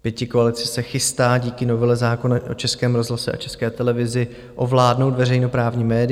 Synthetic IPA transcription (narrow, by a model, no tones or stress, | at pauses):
pjɛcɪkoalɪt͡sɪsɛxɪst̪aːɟiːkɪno̞vɛlɛzaːko̞naʔo̰t͡ʃɛskɛːmɾo̞zɦlasɛʔa̰t͡ʃɛskɛːt̪ɛlɛvɪzɪ | ʔo̞vlaːdno̞wt̪vɛɾɛjno̞pɾaːvɲiːmɛːdɪ